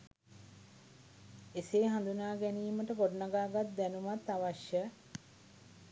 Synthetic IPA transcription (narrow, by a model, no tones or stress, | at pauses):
eseːɦand̪unaːɡɛniːməʈəkoɖnaɡaːɡat̪̚d̪ænumat̪ːaʋaʃjə